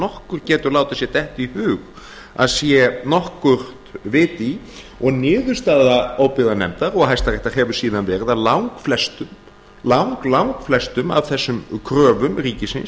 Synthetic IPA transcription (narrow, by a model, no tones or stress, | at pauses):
nɔhkʏɾ̥cɛːt̪ʏɾlaːwt̪ḁsjɛt̪ɛht̪ihʏːɣ | a̰ðsjɛnɔhkʏɾ̥t̪vɪːt̪i | ɔɣnɪːðʏɾ̥st̪aːðaoːwpɪðanɛ̰mt̪aɾɔɣɦajst̪arɛjht̪aɦɛvʏ̥siːðanvɛːɾɪðaðlawŋkflɛst̪ʏm | lawŋklawŋkflɛst̪ʏma̰vθɛsːʏmkʰɾœːvʏmriːcɪsɪ̰ns